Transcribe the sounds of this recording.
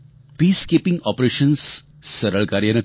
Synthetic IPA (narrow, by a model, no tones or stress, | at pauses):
piːskeːpɪ̃ŋɡɔːpɾeʃənsː | əɾəɭkaːɾjɐnɐ